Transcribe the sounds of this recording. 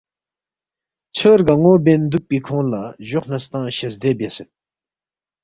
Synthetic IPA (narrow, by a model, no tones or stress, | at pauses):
t͡ɕʰərɡəŋobennd̪uk̚pikʰoŋlaʑoχn̥əst̪aŋɕəɦd̪ebeset̪̚